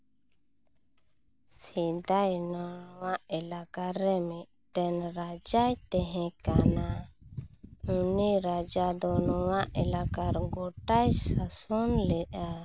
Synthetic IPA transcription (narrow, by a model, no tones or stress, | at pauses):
sid̪ajnɔnɔwaʔɛlakaɾːɛmit̪̚ | ʈɛnɾad͡ʒajt̪ɛɦɛ̃kana | uniɾad͡ʒad̪ɔnɔwaʔɛlakaɾɡɔʈajsasɔnlɛʔa